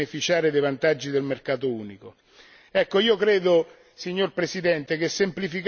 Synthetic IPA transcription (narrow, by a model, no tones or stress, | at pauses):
nefit͡ʃaːɾed̪ejvant̪ad͡ʒːid̪elmerkaːt̪ouːniko | ɛkːoiːokɾeːd̪o | siɲːorpɾesid̪ɛnt̪ek̟esːemplifik